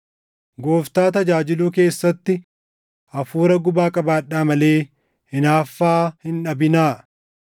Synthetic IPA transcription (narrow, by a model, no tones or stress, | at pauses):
ɡo̞ːft̪aːt̪ɐd͡ʒaːd͡ʒɪluːk̬e̞ːsːɐt̪ːɪ | ʔɐfuːɾɐɡʊbaːkʼɐbaːᶑːaːmɐle̞ː | hɪnaːfːaːhɪnᶑɐbɪnaː